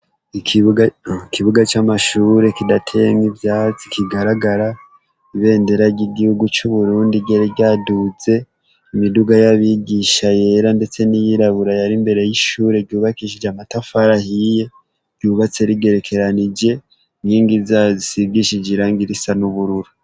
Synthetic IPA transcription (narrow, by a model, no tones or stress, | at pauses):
ikiikʰiβuɡat͡ʃamaʃuɾe̞kidatʰeŋivjaːt͡si̥kʰiɡaɾaɡaɾa | iβe̞ːnde̞ɾaɟiɡihuɡut͡ʃuβuɾuːndiɟeɾeɟaːduze̞ | imiduɡajaβiɡiʃaje̞ɾande̞t͡se̞nijiɾaβuɾajaɾimbe̞ɾe̞jiʃuːɾe̞ɟuːβakiʃ̬id͡ʒamatafaɾahije̞ | ɡɟ̥uːβat͡se̞ɾiɡe̞ɾe̞kʰe̞ɾanid͡ʒe̞ | ŋiːŋɡizazisiɡiʃid͡ʒiɾaːŋɡiɾisanuβuɾuɾu